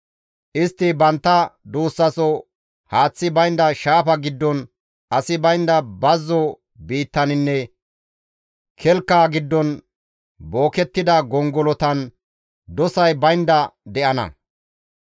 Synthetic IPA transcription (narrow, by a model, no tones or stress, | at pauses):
ʔɪst̪ːɪbɐnt̪ːɐd̪uːsːɐsɔ | haːt͡sːɪbɐjnd̪ɐʃaːpɐɡɪd̪ːɔn | ɐsɪbɐjnd̪ɐbɐzːɔ | biːt̪ːɐnɪnːɛ | kʰɛlkːaːɡɪd̪ːɔn | bo̞ːkɛt̪ːɪd̪ɐɡɔŋɡɔlɔt̪ɐn | d̪ɔsɐjbɐjnd̪ɐd̪ɛʔɐnɐ̰